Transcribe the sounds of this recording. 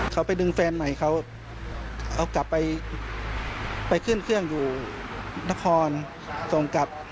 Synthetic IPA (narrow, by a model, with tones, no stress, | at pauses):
kʰa˧˥˩wpa˧jdɯ˧ŋfɛː˧nma˧˩jkʰa˧˥˩w | ʔa˧˩wka˨˦pːa˧j | pa˧jkʰɯ˧˥˨nkʰɯ˥˩əŋjuː˨˩ | na˧˥˩kʰɔː˧n | so˨˧˩ŋka˧˦p̚